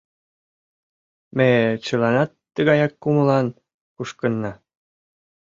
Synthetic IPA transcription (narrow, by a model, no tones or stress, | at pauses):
met͡ɕəlɑnɑt̪ːəɣɑjɑkːuməlɑn | kuʃkənːɑ